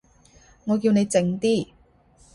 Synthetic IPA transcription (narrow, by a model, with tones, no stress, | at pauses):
ŋɔː˨˧k̬iː˧wne˨˧jt͡sɪ˧ŋt̪iː˥